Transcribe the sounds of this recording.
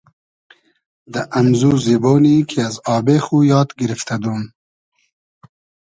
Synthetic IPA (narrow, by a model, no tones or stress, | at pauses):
d̪ɐʔɐmzuːziboːniːkʰeazɑːbeːxuːjɑːt̪ɡɪɾɪft̪ɐd̪uːm